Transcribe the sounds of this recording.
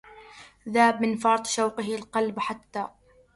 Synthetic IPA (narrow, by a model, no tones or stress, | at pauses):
ðaːbmɪnfɑɾˤt̪ˤʃawqɪɦɪalqɑlbħat̪ːaː